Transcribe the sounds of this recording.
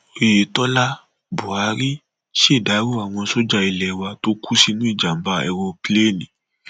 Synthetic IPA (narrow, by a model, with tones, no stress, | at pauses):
e˨e˨˦tɔ˦la˦ | bu˨a˨˦ɾi˦ | ʃe˦˨da˨˦ɾu˦a˨w̃ɔ̃˧so˦d͡ʒa˦˧i˧lɛ˨˦wa˧to˦kʰu˦si˦nũ˦i˦˨d͡ʒa˨m̩˨ba˧˦ɛ̰˧ɾɔ˧ple˦˨nĩ˨